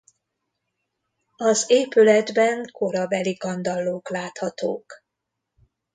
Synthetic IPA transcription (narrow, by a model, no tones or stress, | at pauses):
ɒzeːpylɛd̪bɛŋko̞ɾɒbɛliɡɒnd̪ɒlːoːklaːt̪hɒt̪o̰ːk